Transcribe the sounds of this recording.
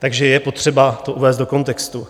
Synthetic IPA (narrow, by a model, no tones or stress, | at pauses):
t̪aɡʒɛjɛpo̞t̪r̝̥ɛbat̪o̞ʔuvɛːst̪doko̞nt̪ɛkst̪u